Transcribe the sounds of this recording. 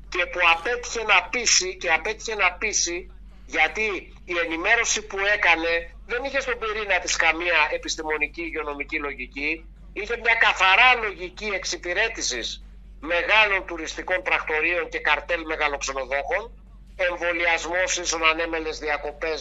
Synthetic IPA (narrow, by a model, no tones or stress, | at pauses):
ce̞puɐpe̞t̪i̥çe̞nɐpisice̞ɐpe̞t̪içe̞nɐpisi | ʝɐt̪iː | e̞nime̞ɾo̞sipue̞kɐne̞ | ðe̞niçe̞st̪o̞biɾinɐt̪iskɐmiɐe̞pist̪imo̞niciːʝeo̞no̞micilo̞ʝici | içe̞mɲɐkɐθɐɾɐlo̞ʝicie̞ksipiɾe̞t̪isis | me̞ɣɐlo̞nt̪uɾist̪iko̞nt̪ɾɐkt̪o̞ɾio̞ɲce̞kɐɾt̪e̞lme̞ɣɐlo̞kse̞no̞ðo̞xo̞n | e̞ɱvo̞liɐzmo̞sisonɐne̞me̞le̞zðiɐko̞pe̞s